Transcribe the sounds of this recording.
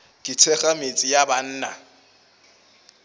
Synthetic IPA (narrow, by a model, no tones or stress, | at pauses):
kʼɪt͡sʰɛχamet͡sʼɪjaban̩ːna̰